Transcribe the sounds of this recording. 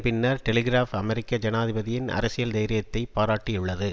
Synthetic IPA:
pɪnːɐɾʈɛlɪɡɪɾaːfɐmɛɾɪkːɐd͡ʒɐnaːðɪbɐðɪjɪnɐ̰ɾɐsɪjɐld̪ɐjɾɪjɐt̪ːɐɪppaːɾaːʈːɪʊɭːɐðɯ

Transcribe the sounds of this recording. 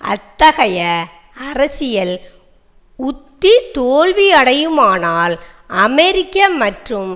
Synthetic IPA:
ʔɐ̰t̪ːɐɣɐjɐ | ɐrɐsɪjɐl | ʊt̪ːit̪oːɭʋiɐɽɐjɯmaːnaːlɐmɛɾɪkːɐmɐʈrɯm

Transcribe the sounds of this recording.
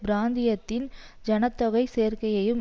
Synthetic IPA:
bɾaːnd̪ɪjɐt̪ːɪnd͡ʒɐnɐt̪ːɔɣɐɪseːrkɐjɐjɯm

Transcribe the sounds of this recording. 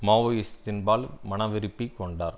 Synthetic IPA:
maːʋɐjɪst̪ɪnbaːlmɐnɐʋɪɾɯpːikːɔɳɖaːɾ

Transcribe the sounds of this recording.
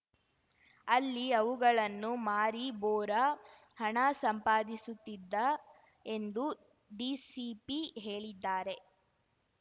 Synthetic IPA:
ɐlːiɐʋuɡɐɭɐnːumaːɾiboːɾɐ | hɐɳɐsɐmpaːd̪isut̪ːid̪ːɐ | e̞nd̪u | ɖiːsipiɦe̞ːɭid̪ːaːɾe̞

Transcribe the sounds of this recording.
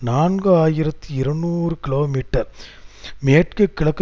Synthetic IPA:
naːnɡɯaːjɪɾɐt̪ːiɪɾɐnːuːɾɯkɪloːmiːʈːɐɾ | meːʈ̚kɯkːɪɭɐkːɐ

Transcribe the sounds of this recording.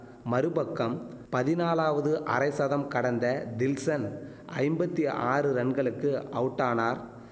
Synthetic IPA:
mɐɾɯbɐkːɐmpɐðɪnaːlaːʋɐðɯʔɐɾɐɪsɐðɐmkɐɽɐnd̪ɐd̪ɪlsɐn | ʔɐɪmbɐt̪ːiʔaːrɯɾɛɳɡɐɭɯkːɯɐʋɯʈːaːnaːɾ

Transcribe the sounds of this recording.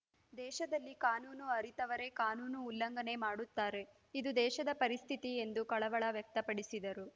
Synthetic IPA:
d̪ɛːʃɐd̪ɐlːikaːnuːnuɐɾit̪ɐʋɐɾe̞kaːnuːnuːlːɐŋɡɐne̞maːɽut̪ːaːɾe̞ | id̪ud̪ɛːʃɐd̪ɐpɐɾist̪ʰit̪ie̞nd̪ukɐɭɐʋɐɭɐʋjɐk̚t̪ɐpɐɽisid̪ɐɾu

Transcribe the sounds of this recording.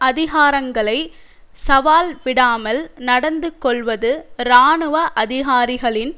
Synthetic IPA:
ɐðɪɣaːɾɐŋɡɐɭɐɪ | sɐʋaːlʋɪɽaːmɐlnɐɽɐnd̪ɯkːɔɭʋɐðɯɾaːɳɯʋɐʔɐðɪɣaːɾɪɣɐɭɪn

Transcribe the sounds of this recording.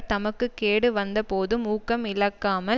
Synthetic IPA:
t̪ɐmɐkːɯkːeːɽɯʋɐnd̪ɐpoːðɯmuːkːɐmɪlɐkːaːmɐ

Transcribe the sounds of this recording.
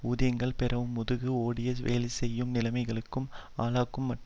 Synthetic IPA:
uːðɪjɐŋɡɐɭpɪrɐʋɯmːʊðɯɣɯoːɽɪjɐʋḛːlɪsɛjːɯmnɪlɐɪmɐɪɣɐɭɯkːɯmaːlaːkːɯmːɐʈ

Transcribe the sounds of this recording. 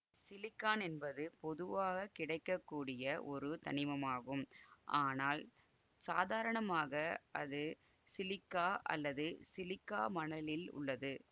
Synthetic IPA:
sɪlɪkːaːnɛnbɐðɯpɔðɯʋaːɣɐkɪɽɐɪkːɐkːuːɽɪjɐʔɔɾɯt̪ɐ̰nɪmɐmaːɣɯmʔaːnaːl | saːðaːɾɐɳɐmaːɣɐʔɐ̰ðɯ | sɪlɪkːaːʔɐ̰lːɐðɯsɪlɪkːaːmɐnɐlɪlʊ̰ɭːɐðɯ

